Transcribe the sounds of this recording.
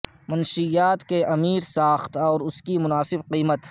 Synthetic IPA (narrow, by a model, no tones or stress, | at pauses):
mɐnʃijaːt̪keʔɐmiːɾsaːxt̪ɔːɾʊskimʊnaːsɪbqiːmət̪